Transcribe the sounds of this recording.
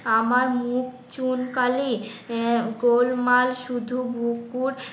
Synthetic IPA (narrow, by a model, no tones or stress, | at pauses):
amaɾmuk | t͡ɕunkali | ɡolmalʃud̪ʱubukːuɾ